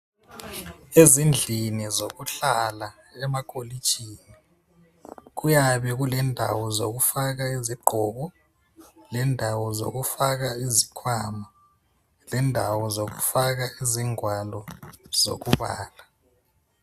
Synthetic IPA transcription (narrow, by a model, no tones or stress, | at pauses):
ezind͡ɮʱinizokuɬala | ɛmakʰʼoli̥t͡ʃʰʼiːni | k̬ujaβɛɣ̬ulɛndʱa̰wɔzo̰k̬ufak̬aeziɡ͡ǃʱɔɣɔ | lɛndʱawɔzo̰k̬ufak̬aizikʰwama | lɛndʱawɔzok̬ufak̬aiziŋwalɔz̥o̰k̬uβa̰ːla